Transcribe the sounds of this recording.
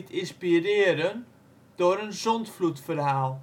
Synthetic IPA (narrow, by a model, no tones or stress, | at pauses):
tʰɪnspirɪəɾən | d̥oːəɾənzɔntflutfərɦaːlˠ